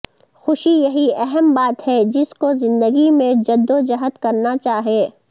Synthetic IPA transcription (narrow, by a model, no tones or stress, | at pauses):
xʊʃijɐɦiɛɦɛmbaːt̪ɦɛd͡ʒɪskozɪ̃nd̪əɡimẽd͡ʒɐd̪ːod͡ʒɐɦət̪kɐɾnat͡ʃaːɦieː